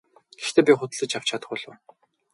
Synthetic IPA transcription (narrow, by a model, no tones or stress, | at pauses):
ɡ̥ext̪ʰeːpʲiχʊt̪̆ɮə̆t͡ɕaw̥t͡ɕʰat̪ə̥̆χʊːɮʊ̰ː